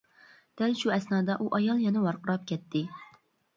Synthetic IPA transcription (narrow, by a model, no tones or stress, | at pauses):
d̪̥ɛlʃuɛsnɑːd̪ɑʔuʔɑjɑlˠjɛnɪwɑɾqʰəɾɑp̚kʲɛt̪ʰːɪ